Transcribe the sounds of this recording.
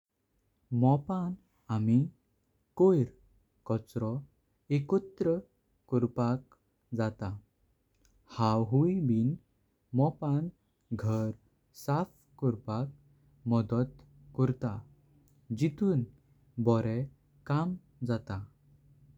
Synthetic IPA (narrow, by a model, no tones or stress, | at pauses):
mɔpan | ami | kojɾ | kɔt͡sɾɔ | ekɔt̪ɾə | kɔɾpak | d͡zat̪a | hawɦuibin | mɔpan | ɡʱəɾ | saf | kɔɾpak̚ | mɔd̪ət̪ | kɔɾt̪a | d͡ʑit̪uːn | bɔɾɛ | kam | d͡zat̪a